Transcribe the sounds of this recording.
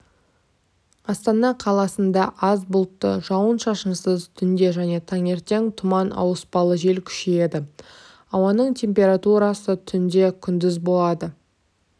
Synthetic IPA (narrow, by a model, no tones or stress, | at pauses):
ɑst̪ɑnɑqʰɑlˠɑsənd̪ɑʔɑzbʊlˠt̪ːə̰ʒɑwənʃɑʃənsəzt̪ʰʏnd̪e̞ʒæne̞t̪ʰɑŋe̞ɾt̪e̞ŋt̪ʰʊmɑnʔɑ̰wəspɑlˠəʒe̞lkʲʰʏ̥ʃeje̞d̪ɪ | ɑwɑnəɴt̪ʲʰe̞mpʲe̞ɾat̪uɾɑsət̪ʰʏnd̪e̞kʲʰʏnd̪ɪzbo̞lˠɑd̪ə